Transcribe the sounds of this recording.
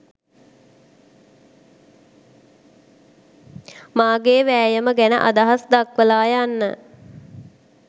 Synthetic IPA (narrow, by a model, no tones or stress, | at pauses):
maːɡeːʋæːjəməɡænə̰ʔad̪aɦasd̪akʋəlaːjanːə̰